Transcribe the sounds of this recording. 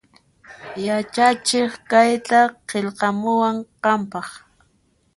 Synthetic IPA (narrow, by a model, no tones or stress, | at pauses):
jat͡ʃat͡ʃɪχkajt̪aqeʎqɑmʊwaɴqɑmpɑχ